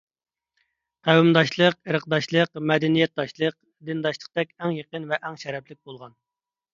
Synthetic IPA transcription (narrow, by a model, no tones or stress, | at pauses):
qʰæwumd̪ɑʃlˠəqəɾəqd̪ɑʃlˠəqmɛd̪ɛnijɛt̪̚d̪ɑʃlˠəq̚ | d̪ɨnd̪ɑʃlˠəq̚t̪ɛkʲɛŋjəqənvɛʔɛŋʃɛɾɛplɪk̚ʲbolˠʁɑn